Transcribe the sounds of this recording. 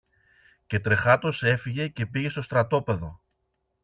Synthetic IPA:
ce̞t̪ɾe̞xɐt̪o̞se̞fiʝe̞ce̞piʝe̞st̪ost̪ɾɐt̪o̞pe̞ðo̞

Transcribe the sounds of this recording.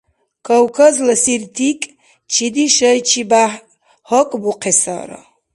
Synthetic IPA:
kʰɔwkʰəzləsirt̪ʰikʼ | t͡ʃʰid̪iʃəjt͡ʃʰiba | hɔkʼbuqʰɛsa̰ɾɔ̰

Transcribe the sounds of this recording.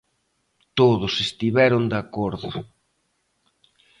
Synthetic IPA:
t̪oðʊsest̪iβɛɾʊnd̪akoɾðʊ

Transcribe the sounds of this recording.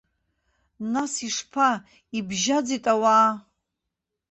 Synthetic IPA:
nasiʂpʰa | ibʒad͡zitʼawaː

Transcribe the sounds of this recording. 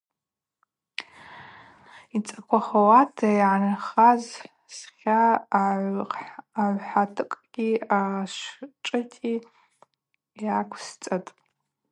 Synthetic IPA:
it͡sʼakʷʰaχawatʰajʕanaχaz | sχʲa | ʕʷħatʰɨkʼɡ̥ʲiaʃʷʈ͡ʂʼɨtʰʼi | jakʷʰst͡sʼatʼ

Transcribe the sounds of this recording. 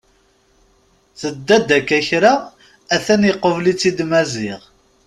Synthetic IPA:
θəd̪ːæd̪ækːæçɾa | æθænjiqːəvlit͡sːid̪mæzɪʁ

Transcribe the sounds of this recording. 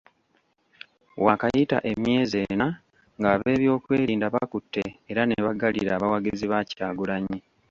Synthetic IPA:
wakajita̰ʔe̞mje̞ːzena | ŋɡaːβe̞ːβjo̞ːkwe̞ːɾiːndaβakutːeːɾaneβaɡalḭɾaːβawaɡiziβacaːɡulaɲi

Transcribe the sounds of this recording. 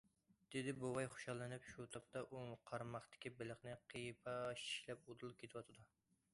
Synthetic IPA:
d̪̥ɪd̪ɪbuwɑjχo̥ʃɑlˠːɨnɨpʃut̪ʰɑp̚t̪ɑʔuqʰɑɾmɑχt̪ɪ̥kʲibɪlɪχnɪqʰijpʰɑʃi̥ʃlɛp̚ud̪ulˠkʲʰet̪ʰɪwɑt̪ʰɨd̪u

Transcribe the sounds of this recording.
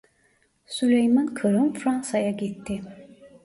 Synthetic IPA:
sulʲejmankʰɯɾɯnfɾansajaɡʲit̪ʰːɪ

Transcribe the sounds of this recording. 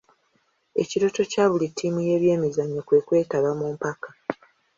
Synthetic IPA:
e̞ciɾo̞to̞caːβulitʰːiːmuje̞ːβje̞ːmizaɲːokwe̞kwe̞ːtaβamuːmpakḁ

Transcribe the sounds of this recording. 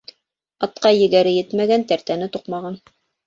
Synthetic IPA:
ɑt̪̚qɑjɘ̆ɡæɾɘjɘt̪mæɡænt̪æɾt̪ænɘt̪uqmɑʁɑn

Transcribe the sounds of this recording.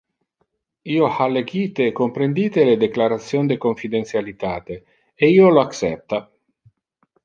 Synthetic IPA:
iːohalːeɡiːt̪eːkːompɾend̪iːt̪eled̪eklaɾat̪sːjond̪ekoɱfid̪ent̪sjalit̪aːt̪e | eiːoloaksɛ̰p̚t̪a

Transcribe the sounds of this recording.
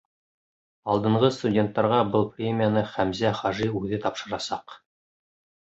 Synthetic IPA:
ɑlˠd̪ɤ̆ɴʁɤst̪udʲe̞nt̪ːɑɾʁɑbɤlˠprʲemʲɪijanɤχæmzæχɑʒiʉðɘt̪ɑpʃɤ̆ɾɑsɑq

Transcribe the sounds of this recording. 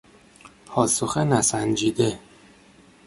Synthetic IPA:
pʰɒːsoxenæsænd͡ʒiːd̪e

